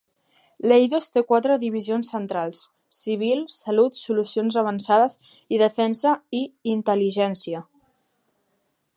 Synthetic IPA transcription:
lejðost̪ekwat̪ɾəðiβizionsːənt̪ɾalˠsː | iβ̞ilˠsəlut̪sulusionzaβənsaðəz | iðəfɛnsəiːnt̪əliʒɛnsiə

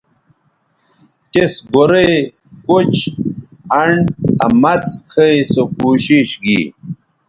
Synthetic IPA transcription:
t͡ɕesɡoɾe | kot͡ɕ | ɐɳɐ̰mɐt͡skʰəjsokuːɕiɕɡḭ

